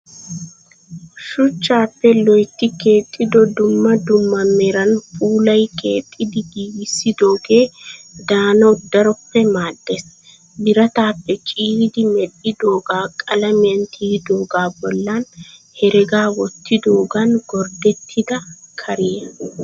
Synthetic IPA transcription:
ʃʊt͡ʃːaːpːɛlɔjt̪ːɪke̞ːt̪ʼːɪd̪ɔd̪ʊmːɐd̪ʊmːɐmɛɾɐnfuːlɐjkʰe̞ːt̪ʼːɪd̪ɪɡiːwɪsːɪd̪o̞ːɡe̞ːd̪aːnɐd̪ːɐɾɔpːɛmaːd̪ːes | bɪɾɐt̪aːpːɛt͡ʃʼiːhd̪ɪmɛɗɪd̪o̞ːɡaːkʼɐlɐmɪɐnt̪ʰiːd̪o̞ːɡaːbɔlːaːn | hɛɾɛɡaːwɔt̪ːɪd̪o̞ːɡɐnɡɔɾd̪ɛt̪ʰːɪd̪ɐkʰɐɾɪjɛ

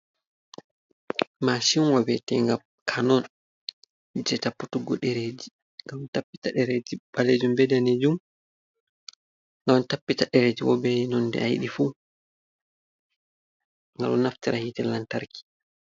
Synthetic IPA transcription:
masinwɔwɛtɛŋɡam | kʰanɔn | d͡ʒɛtapːutuɡɔɗɛɾeːd͡ʒi | ŋɡamntapːitaɗɛɾed͡ʒibaled͡ʒumbɛdaned͡ʒum | ŋɡamntapːitaɗɛɾed͡ʒiwɔ̰bɛnɔnːdɛ̰ajɗifu | ŋɡa̰lɔnaftiɾahitɛlantaɾki̥

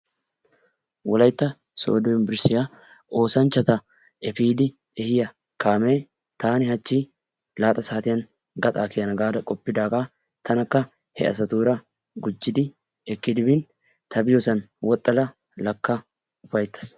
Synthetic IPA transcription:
wɔlɐjt̪ːɐ | so̰ːd̪ɔɪnbɪɾsɪja | ʔo̞ːsɐnt͡ʃːɐt̪ɐ | ɛfiːd̪ɪ | ɛhɪjɐ | kaːmeː | t̪aːnɪhɐt͡ʃːi | laːt̪ʼɐsaːt̪ɪjɐn | ɡɐt̪ʼaːkɪjɐnɐɡaːd̪ɐkʼɔpːɪd̪aːkʼaː | t̪ʰɐnɐkːɐ | hɛ̰ʔɐ̰sɐt̪uːɾɐ | ɡʊd͡ʒːɪd̪ɪ | ɛkːɪd̪ɪbɪn | t̪ʰɐbɪjɔsɐnwɔt̪ʼːɐlɐ | lɐkːɐ | ʊfɐjt̪ːɐ̥s

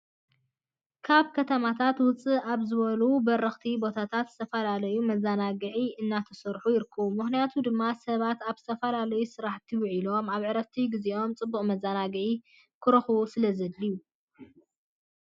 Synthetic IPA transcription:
kʰaβkʰɐt̪ʰɐmat̪ʰat̪wʊt͡sʼɨaβzɨβɐlubɐɾɐxt̪ʰibo̞t̪ʰat̪ʰat̪z̥ɨt̪ʰɐfɐlalɐjumɐzanaɡɨʕiɨnːat̪ʰɐsɐɾħujɪɾɨkʰːɐwumɨxnijat̪ʰud̪ɨmːasɐβat̪aβzɨt̪ʰɐfɐlalɐjusɨɾaħt̪ʰiwʕilo̞maβʕɨɾɐft̪ʰiɡizio̞mt͡sʼɨbːuχʼmɐzanaɡɨʕi | kʰɨɾɐxusɨlɐzɐd̪ːiju

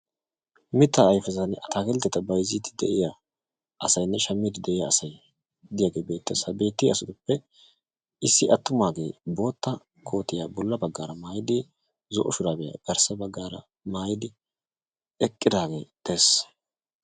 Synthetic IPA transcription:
mɪt̪ːaːjfɛzɐnɐt̪ʰaːkɛlt̪ːɛt̪ɐbɐjzit̪ɪd̪ɛʔɪja | ʔɐsɐjnːɛʃɐmːɪd̪ɪd̪ɛʔɪjaːsɐj | d̪ɪjaːɡe̞ːbe̞ːt̪ːɪɐsɐbe̞ːt̪ːɪɐsʊt̪ʊpːɛ | ɪsːɪʔɐt̪ːʊmaːɡe̞ːbo̞ːt̪ːɐ | kʰo̞ːt̪ːɪjaːbɔlːɐbɐɡːaːɾɐmaːjɪd̪ɪ | zɔʔɔʃʊɾaːbɛja̰ːɡ̥ɐɾsɐbɐɡːaːɾɐ̰ | maːjɪd̪ɪ | ɛkʼːɪd̪aːɡe̞̰ːd̪̥ɛs

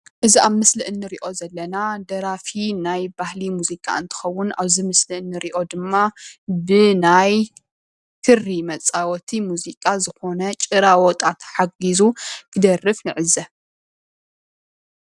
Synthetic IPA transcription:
ʔɨziʔaβmɨslɨʔɨnːɨɾiʔo̞zɐlːɐnad̪ɐɾafinajbahlimuzikʼa̰ʔɨnt̪ʰɨ̥xɐwːʊna̰βzimɨslɨʔɨnːɨɾiʔo̞d̪ɨmːabɨnaj | t̪ʰɨrimɐt͡sʼawɔt̪ʰimuzikʼazɨxo̞nɐt͡ʃʼɨɾawɔt̪ʼat̪ħaɡizukʰɨd̪ɐrːɨfnɨʕɨzɐ

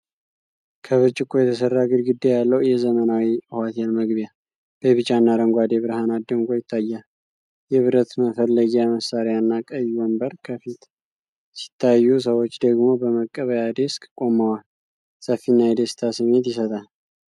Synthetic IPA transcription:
kʰəβɨt͡ʃʼːɪkʼojɛt̪ʰəsərːaɡɨlɡɨd̪ːejalːəwjɛzəmənawiɨhat̪ʰelməɡβja | b̥əβɨt͡ʃʼanːaɾəŋɡʷad̪eβɨɾhanad̪əŋɡo̞jɪt̪ʰːajːal | jɛβɨɾət̪məfəlːəɡijaməsaɾjanːakʼəjːuwəmbəɾkʰəfit̪ | si̥t̪ʰːajːus̬əwot͡ʃːd̪əɡmo̞bəməkʼːəβəjad̪e̞skʼkʼo̞mawal | səfːinːajɛd̪est̪ʰasɨmːet̪jɪsət̪ʼal

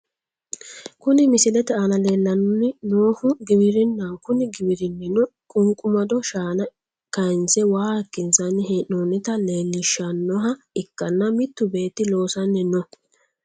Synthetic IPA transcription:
kʊnɪmɪsɪlɛt̪ɛɐnɐle̞ːlːɐnʊnːɪnoːhʊɡɪbɪɾɪnːaŋkʊnɪɡɪbɪɾɪnːɪnɔkʼʊŋkʼʊmɐd̪ɔʃaːnɐ | kɐɪnsɛwaːɐkːɪnsɐnːɪɦenoːnɪt̪ɐle̞ːlːɪʃɐnːɔɦɐ | ɪkːɐnːɐmɪt̪ːʊbe̞ːt̪ːɪlo̞ːsɐnːɪnɔ

